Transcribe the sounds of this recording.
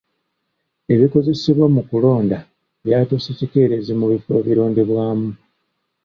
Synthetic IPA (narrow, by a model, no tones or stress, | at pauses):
e̞βiko̞ze̞siβwamukulo̞ːnda | βjaːtosecike̞ːɾezimuβife̞ːβiɾo̞ːndiβwaːmu